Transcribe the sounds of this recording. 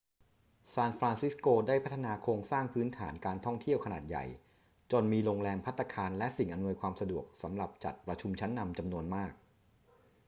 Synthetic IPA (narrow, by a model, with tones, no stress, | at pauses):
saː˧nfɾaː˧nsi˦˥skoː˧daː˥˩jpʰa˦˥t̪ʰːa˧naː˧kʰoː˧ŋsaː˥˩ŋpʰɯː˦˥nt̪ʰaː˩˦nkaː˧nt̪ʰɔ˥˩ŋt̪ʰi˥˩əwkʰa˧naː˨˩t̪̚ja̰˨˩j | t͡ɕo˧nmiː˧ɾoː˧ŋɾɛː˧mpʰa˦˥t̪ʰːa˧kʰaː˧nlɛ˦˥ʔsi˨˩ŋʔa˧mnu˧əjkʰwaː˧msa˧du˨˩ək̚sa̰˩˦mɾa˨˩p̚t͡ɕa̰˨˩t̪̚pɾa˧t͡ɕʰu˧mt͡ɕʰa˦˥nːa˧mt͡ɕa˧mnu˧ənmaː˥˩k̚